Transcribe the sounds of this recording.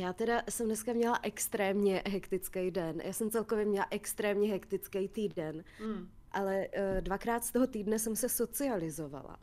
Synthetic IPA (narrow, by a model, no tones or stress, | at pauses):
jaːt̪ɛdasɛmnɛskamɲɛlaʔɛkst̪ɾɛːmɲɛʔɦɛkt̪ɪt͡skɛjdɛnjʔa̰ːsɛmt͡sɛlkovjɛmɲɛlaʔɛkst̪ɾɛːmɲɛɦɛkt̪ɪt͡skɛjt̪iːdɛn | ʔalɛdvakɾaːt̪st̪oɦo̞t̪iːdnɛsɛmsɛso̞t͡sɪalɪzova̰la̰